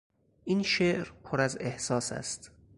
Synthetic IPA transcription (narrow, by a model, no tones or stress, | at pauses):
ʔiːnʃeʔɾpʰoɾæzehsɒːsæ̰st̪